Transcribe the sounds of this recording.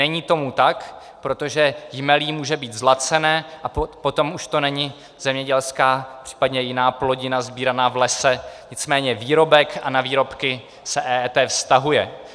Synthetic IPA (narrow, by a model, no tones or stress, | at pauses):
ɛɲiːt̪o̞mut̪ak | pɾot̪o̞ʒɛjɪmɛliːmuːʒɛbiːt̪zlat͡sɛnɛːʔapo̞t̪o̞muʃt̪o̞nɛɲɪ | z̥ɛmɲɛɟɛlskaːpr̝̥i̥ːpadɲɛjɪnaːplo̞ɟɪnazbiːɾanaːvlɛsɛɲɪt͡smɛːɲɛviːɾo̞bɛkʔanaviːɾo̞pkɪ | sɛʔɛːɛːt̪ɛːfst̪aɦujɛ